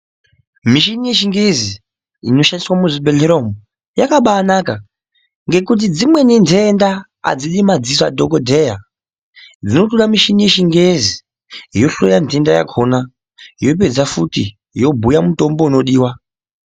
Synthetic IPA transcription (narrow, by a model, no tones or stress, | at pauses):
miʃinije̞ʃiŋɡezi | ḭno̞ʃaniswamuʐibʱe̞ɮeɾomu | jakaɓaːnaka | ŋɡe̞kut̬id͡zimwe̞nindenda | a̰d͡ziɗimad͡zisa̰dʱokodʱeja | d͡zino̞t̬uɗamiʃinijeʃiŋɡezi | jo̞ɬojande̞ndaja̰kʰona | jo̞p̬e̞d͡zafutḭ | jo̞bʱujamuto̞mbouno̞ɗiːwa